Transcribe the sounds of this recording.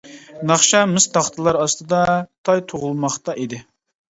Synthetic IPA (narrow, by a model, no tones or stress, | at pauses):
nɑχʃɑmɨst̪ɑχt̪ʰɨlˠɑɾɑst̪ɨd̪ɑt̪ʰɑjt̪ʰoʁʊlˠmɑχt̪ɑʔid̪ɪ